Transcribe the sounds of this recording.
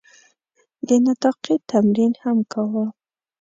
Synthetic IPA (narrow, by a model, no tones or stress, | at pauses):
d̪ənat̪ɑqit̪amɾinhamkʰawə